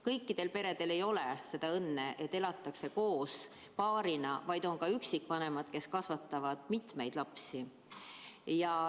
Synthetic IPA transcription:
kɤjkːid̪̥e̞lpe̞ɾe̞d̪̥e̞le̞jo̞le̞se̞d̪̥ɑɤnːe̞ʔe̞t̪ːelɑt̪ːˑɑkse̞ko̞ːs | pɑːɾinɑvɑjd̪̥o̞nkɑyksikːˑvɑne̞mɑd̪̥ke̞skɑsvɑt̪ːˑɑvɑd̪̥mit̪me̞jd̪̥lɑpsi | jɑ

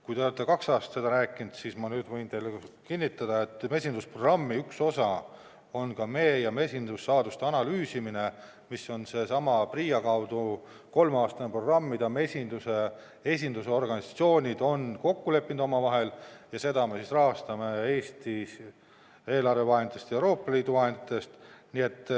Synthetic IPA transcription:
kujd̪eolet̪ːˑekɑksɑːst̪se̞d̪ɑɾæːkːˑind̪̥sismɑnyːd̪̥vɤ̞jnt̪e̞jlːekinʲːit̪ːˑɑd̪̥ɑe̞t̪ːˑme̞sʲind̪usproɡrɑmːiykso̞sɑ | o̞nkɑme̞ːjɑme̞sʲind̪usːɑːd̪ust̪eɑnɑlyːsimine̞ | misːo̞nse̞sɑmɑpriːjɑkɑwd̪̥u | ko̞lmeɑːst̪ɑnepro̞ɡrɑmːid̪ɑme̞sʲind̪̥use̞ | e̞s̬ʲind̪useo̞rɡ̥ɑnʲisɑ̥t̪sio̞ːnʲid̪̥o̞nko̞kːule̞pːˑind̪̥o̞mɑvɑɦe̞ljɑse̞d̪̥ɑme̞sisrɑɦɑst̪ɑmee̞ːst̪i | e̞ːlɑrve̞vɑɦenit̪est̪jewɾo̞ːpːˑɑliːd̪uvɑɦend̪it̪ːˑe̞st̪nie̞t̪ːˑ

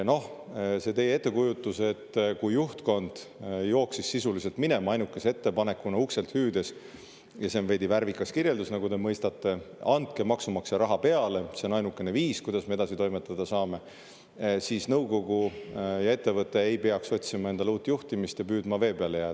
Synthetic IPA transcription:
no̞hse̞t̪e̞jee̞t̪ˑːe̞kujut̪ˑːuse̞t̪ːkujːuht̪ko̞nd̪̥jo̞ːksisːisulise̞lt̪mine̞mɑɑjnukːˑe̞see̞t̪ːe̞pɑne̞kːunɑukse̞lt̪hyːd̪e̞s | jɑsenve̞jd̪̥iværvikːˑɑskirje̞ld̪usnɑɡud̪e̞mɤjst̪ɑt̪ːˑe̞ɑnd̪̥̚ke̞mɑksumɑkseɾʔɑɦɑpe̞ɑle̞se̞o̞nɑjnukːˑe̞ne̞viːskujd̪̥ɑsmee̞d̪ɑsit̪o̞jmet̪ːˑɑd̪ɑsɑːme̞ | siːsnɤwko̞ɡ̥ujɑe̞t̪ːe̞vɤt̪ːˑe̞ejpe̞ɑkso̞t̪ʲsimɑe̞nd̪̥ɑluːt̪ːˑjuht̪imist̪jɑpyːd̪mɑve̞ːpeɑlejæː

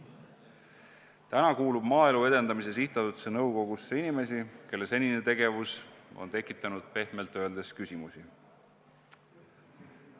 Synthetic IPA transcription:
t̪ænɑkuːlub̥mɑːe̞lue̞d̪e̞nd̪ɑmise̞siht̪ˑɑt̪ut̪senɤwko̞ɡ̥usːeinime̞s̬ike̞lːe̞se̞nʲine̞t̪e̞ɡ̥e̞vuso̰nt̪e̞kːˑit̪ːˑɑnud̪̥̚pe̞hme̞lt̪ːˑø̞eld̪e̞skysʲimusi

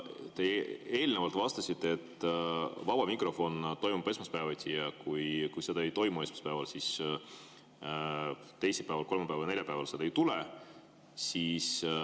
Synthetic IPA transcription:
t̪e̞e̞ːlnevɑlt̪vɑst̪ɑsit̪ːˑeet̪ː | vɑb̥ɑmikro̞fo̞nt̪o̞jmub̥e̞smɑspæevɑt̪ʲʰijɑkujkujse̞d̪̥ɑejt̪o̞jmue̞smɑ̥spæevɑlsis | t̪e̞jsepæevɑlko̞lmɑpævɑlne̞ljɑpævɑlsed̪̥ɑejt̪ule | siːs

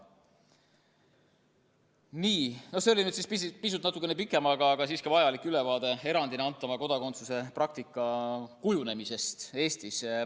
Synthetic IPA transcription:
niːnoseo̞linyd̪sispispis̬ut̪nɑt̪ːˑukːˑenepikːˑe̞mɑɡ̥ɑɡ̥ɑsiːskɑvɑjɑlikːˑyle̞vɑːd̪̥e̞e̞ɾɑnd̪ineɑnt̪ˑːɑmɑko̞d̪ɑko̞nt̪suse̞prɑk̚t̪ikːˑɑkujune̞mise̞st̪e̞ːst̪is

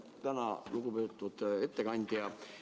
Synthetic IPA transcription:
t̪ænɑluɡ̥upøːt̪ːˑud̪̥e̞t̪ːe̞kɑnʲd̪̥jɑ

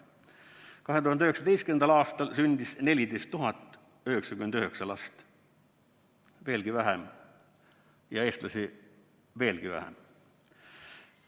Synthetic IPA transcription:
kɑɦet̪uhɑnyhe̞ksɑt̪e̞jst̪kynend̪ɑlɑːst̪ɑlsynd̪isne̞lʲid̪e̞jst̪ːuɦɑt̪ːˑ | yheksɑkymend̪yɦeksɑlɑst̪ | ve̞ːlɡ̥ivæɦem | jɑe̞ːst̪lɑsi | ve̞ːlɡ̥ivæ̰hḛm

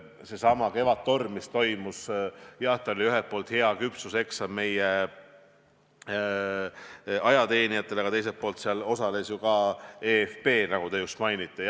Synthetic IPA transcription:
se̞sɑmɑke̞vɑt̪ːo̞rmːist̪o̞jmusjɑt̪ːˑeolʲiyɦelt̪̚pːo̞ːlt̪he̞ɑkypsuse̞ksɑme̞je | ɑjɑt̪e̞ːnijɑt̪ːˑeleɡ̥ɑt̪e̞js̬et̪̚po̞ːlt̪seɑlo̞sɑle̞sjukɑeːefpe̞ːnɑɡ̥ut̪e̞just̪mɑjnit̪ˑːe

